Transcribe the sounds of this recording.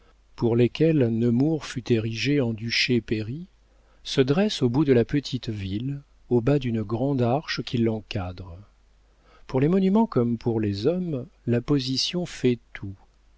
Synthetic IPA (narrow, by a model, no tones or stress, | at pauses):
puʁlekʲɛlnəmuʁfyt̪eʁiʒeɑ̃d̪yʃepeʁi | səd̪ʁɛsobud̪əlapət̪ʰit̪vil | obad̪ynəɡʁɑ̃d̪aʁʃkʲilːɑ̃kad̪ʁ | puʁlemɔnymɑ̃kɔmpʰuʁlezɔmlapɔzisjɔ̃fɛt̪ʰu